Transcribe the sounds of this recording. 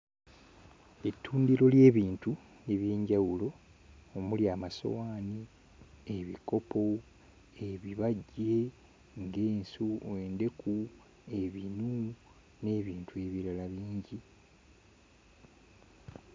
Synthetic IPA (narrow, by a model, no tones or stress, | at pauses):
etʰːuːndiɾo̞lje̞ːβiːntu | neβjeːɲɟawulo̞ː | muljaːmaso̞̰waːni | eβiko̞po̞ | eβiβaɟe̞ | ŋɡeːnsuweːnde̞ku | e̞βinu | ne̞ːβiːntue̞βiɾalaβiːɲɟi